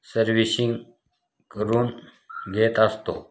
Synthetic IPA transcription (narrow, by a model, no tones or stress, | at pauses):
səɾʋisiŋɡ | kəɾuːn | ɡʱet̪əst̪o̰